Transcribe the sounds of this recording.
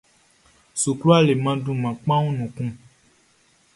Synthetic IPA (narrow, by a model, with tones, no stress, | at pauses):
su˨klu˦a˦le˨mã˦dũ˦mã˨k͡pã˦wũ˦nũ˨kũ˦